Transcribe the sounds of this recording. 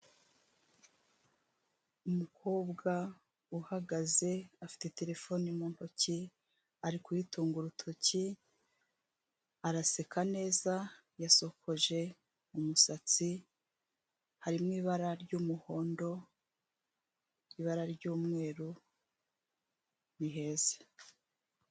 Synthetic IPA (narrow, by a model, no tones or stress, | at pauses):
umukʰoːbɡa | uhaɡaze̞afi̥te̞te̞ɾe̞fo̞nimunoci | aɾikujituːŋɡuɾutʰoci | aɾase̞kʰane̞ːza | jaso̞kʰo̞ʒe̞ | umusat͡si | haɾimŋiːβaɾaɾɟuːmuho̞ːndo̞ | iːβaɾaɾɟuːmŋe̞ːɾu | niɦe̞ːze̥